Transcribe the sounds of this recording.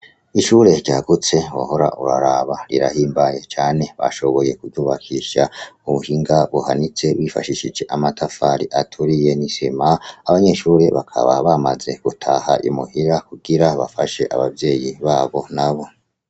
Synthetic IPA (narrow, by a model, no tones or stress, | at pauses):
iʃuːɾe̞ɾɟaːɡut͡se̞wa̰ho̞ɾa̰ʔuɾaɾaβaɾiɾahiːmbaje̞t͡ʃaːne̞βa̰ʃo̞βo̞je̞kuuːβakʰiʃauβuhiŋɡaβuhanit͡se̞wifa̰ʃiʃid͡ʒe̞ʔamatʰafaɾiʔatʰuɾije̞nisimaaβaɲe̞ʃuːɾe̞βa̰kʰa̰βa̰βamaze̞ɡ̥utʰaːhaʔimuhiɾakuɡiɾaβa̰faʃe̞ʔaβavje̞ːjiβaːβo̞naβo̞